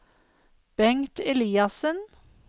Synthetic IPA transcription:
b̥ɛŋt̪ɛliːɑsən

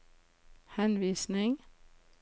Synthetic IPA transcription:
hɛnʋiːsnɪŋ

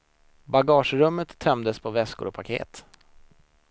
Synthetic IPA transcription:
baɡɑːʂɾɵmːət̪ʰːɛmd̪əspʰɔvɛskʊ̰ɾɔpʰakʰḛːt̪

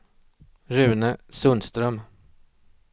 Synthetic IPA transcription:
ɾʉ̟ːnəsɵnst̪ɾœm

